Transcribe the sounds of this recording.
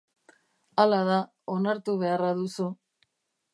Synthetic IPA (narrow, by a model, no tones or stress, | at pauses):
alaða | o̞naɾt̪uβe̞araðusu